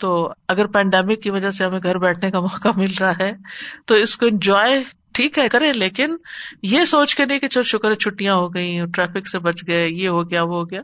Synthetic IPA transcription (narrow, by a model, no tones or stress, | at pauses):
t̪oːɐɡəɾpɛ̃ːɳɖɛːmɪkːiʋɐd͡ʒaseɦɐmẽɡʱɐɾbɛːʈʰnekamɔːkamɪlɾaɦaɦɛːt̪oɪskoɪ̃nd͡ʒɔːe | ʈʰiːkɦɛkɐɾẽːleːkɪnjesoːt͡ʃkenɐɦĩket͡ʃʰlʃʊkəɾɦɛt͡ʃʰʊʈijãɦoɡɐĩʈɾɛːfɪksebɐt͡ʃɡɐejeɦoɡɐjaʋoɦoɡjaː